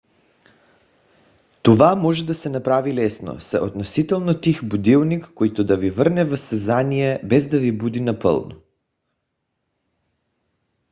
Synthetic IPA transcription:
t̪ovamɔʒɛd̪asɛnapɾavilɛsno̰sɛʔod̪nosit̪ɛlˠnot̪ixbud̪ilˠnikːojt̪od̪avivəɾnɛvəsɛzanijɛbɛzd̪avibud̪inapə̰lˠno̰

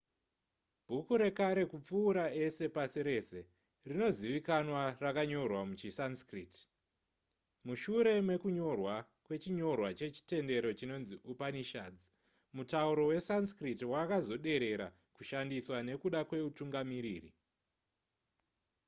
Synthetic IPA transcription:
b̥ʱukuɾe̞kaɾe̞kup͡fuːɾae̞se̞pasiɾe̞se̞ | rino̞ziʋikanwarakaɲo̞rwamut͡ʃisanskrit | muʃuɾe̞mwe̞kuɲo̞rwa | kwe̞t͡ʃiɲo̞rwat͡ʃe̞t͡ʃi̥te̞nde̞ɾo̞t͡ʃino̞nziʔupaniʃaːd͡zi | mutauɾo̞we̞sanskritiwakazo̞ɗe̞ɾe̞ɾa̰ | kuʃandiswane̞kuɗakwe̞utuŋɡamiɾiːrḭ

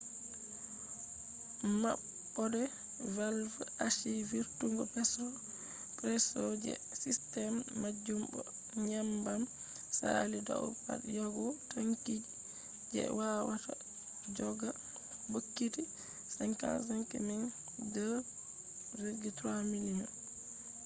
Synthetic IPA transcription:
ma̰ɓː | ɔdɛ | valfaʃiviɾtuŋɡɔpɛsɔ | pɾɛsɔd͡ʒɛ̰ | sistɛmːad͡ʒumbɔ̰ | ɲambam | sa̰lida̰ṵpa̰tjɔɡɔtaŋkid͡ʒi | d͡ʒɛ̰wawata | d͡ʒɔɡa | bokːiti | saŋka̰s̬aŋkɛmin | də | ɾeɡitɾamilinɔ

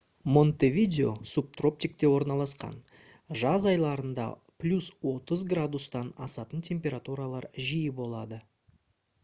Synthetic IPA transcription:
mo̞nt̪evʲid̪ʲeo̞̰sup̚t̪ro̞p̚t̪ʲik̚t̪e̞wo̞ɾnɑlˠɑsqɑ̰n | ʒɑzɑjlˠɑɾənd̪ɑ̰ | plʲuswo̞t̪əzɡrad̪ust̪ɑnɑsɑt̪ənt̪ʲʰe̞mpʲe̞ɾat̪uɾalˠɑɾʒijɪbo̞lˠɑd̪ə

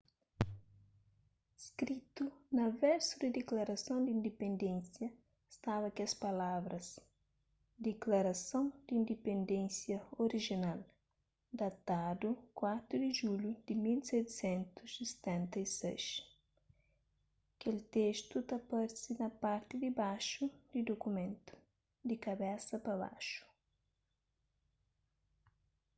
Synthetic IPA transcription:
skɾit̪unɐvɛɾsud̪ɪd̪eklaɾɐsõw̃d̪ĩnd̪epẽnd̪ẽnsjɐ | st̪aβɐkiɐspɐlavɾɐs | d̪eklaɾɐsõw̃d̪ĩnd̪epẽnd̪ẽnsjɐoɾiʒinal | d̪at̪ad̪ukwat̪ɾud̪ɪʒulud̪̥ɪmilsɛt̪sɛ̃nt̪usist̪ɛ̃nt̪ɐisɛ̰jʃ | kelt̪est̪ut̪ɐpɐɾsinɐpaɾt̪ɪd̪ɪbaʃud̪id̪okumẽnt̪u̥ | d̪ɪkɐbɛsɐpɐβa̰ʃu̥

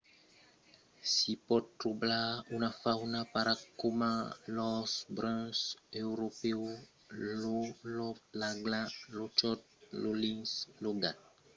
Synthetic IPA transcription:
sipɔd̚tːɾublaunafawnapaɾakːomalɔsbɾãsewɾopeo | lolɔplaɡlãlot͡ʃɔt̪̚lolĩŋsloɡat̚

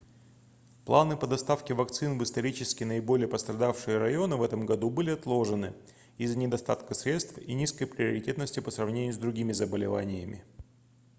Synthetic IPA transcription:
plˠanɨpəd̪ɐst̪afkʲɪvɐkt̪sɨnvɨst̪ɐɾʲit͡ɕɪskʲɪnəɪbo̞lʲɪjəpəst̪ɾɐd̪afʂɨjəɾɐjo̞nɨvɛt̪əmɡɐd̪ubɨlʲɪɐt̪lˠo̞ʐɨnɨ | izːənʲɪd̪ɐst̪at̪kəsɾʲe̞t̪st̪fḭnʲiskəjpɾʲɪəɾʲɪtʲe̞t̪nəsʲtʲɪpəsrɐvnʲenʲʊːzd̪ɾʊɡʲimʲɪzəbəlʲɪvanʲɪjəmʲɪ̰

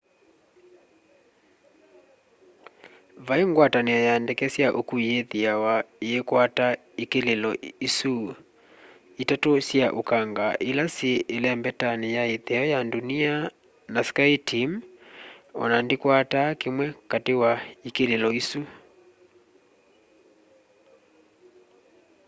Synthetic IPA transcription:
vaeŋɡwatanɛɔjandɛkɛsjaʔokuijeðiawaeekwata | ikelelɔisu | itatosjaʔokaŋɡaʔelaseːlɛmbɛtanejaeðɛɔjandunia | naskajtʰim | ɔ̰nandekwatakemwɛkatewaikelelɔisu

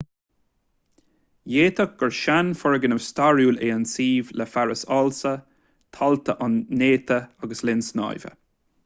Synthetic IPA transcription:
jeːt̪ʰək̚ɡ̥ɔɹʃanfɔɹəɡənəvst̪aɹjuːleːənsiːvləfaɹəsɑlsə | t̪ʰalt̪əʔanːeːt̪ʰəaɡəslɪnsnɑ̰jvə̰

